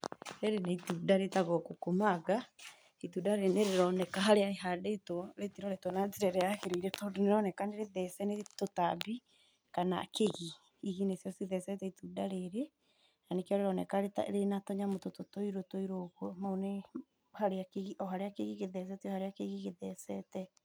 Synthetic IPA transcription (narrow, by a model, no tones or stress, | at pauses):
ɾeɾenaitudaɾetaɣɔkokomaɣa | itudaɾeneɾeɾɔnɛkaɦaɾeaeɦadetoɾetiɾɔɾetwɔnaziɾɛɾɛaɣeɾeiɾɛtodneɾɔnɛkaneɾeðɛsɛnetotabi | kana̰keɣi | iɣinesjɔsiðɛsɛtɛitudaɾeɾe | nanekeɔɾeɾɔnɛ̰kaɾeta̰ɾenatɔɲamotototoiɾotoiɾoɣwɔmaone | haɾeakeɣiʔɔɦaɾeakeɣiɣeðɛs̬ɛtiɔhaɾeakeɣiɣeðɛsɛtɛ